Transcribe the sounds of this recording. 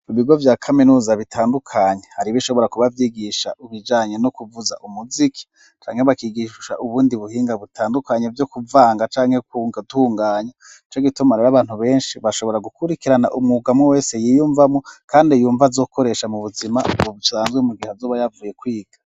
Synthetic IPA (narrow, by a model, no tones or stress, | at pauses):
iβiɡo̞vjaːkʰaminuːzaβitʰaːndukʰaːɲehaɾiβiʃo̞βo̞ɾakuβavjiɡiʃa̰ʔuβid͡ʒaːɲe̞nokuvuza̰ʔumuzikʰi̥ | t͡ʃa̰ːŋhe̞βakiɡiʃa̰ʔuβuːndiβuhiːŋɡaβutʰaːndukaɲevjokuvaːŋɡat͡ʃaːŋhekuŋɡaduhuːŋɡaːɲa | it͡ʃoɡitumaɾeɾaβaːnhuβe̞ːnʃiβaʃo̞βo̞ɾaɡukuɾikiɾana̰ʔumŋuɡamowe̞ːse̞jijuːɱvamo̞kʰaːndijuːɱvazo̞ːkʰo̞ɾe̞ʃamuβuzimaousaːnzɡwemuɡihazuβajavuːje̞kwiːɡ̥ḁ